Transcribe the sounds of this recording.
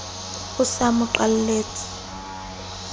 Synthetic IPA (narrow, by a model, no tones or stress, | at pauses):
ɣʊsamʊǃalleːt͡sʰʼi̥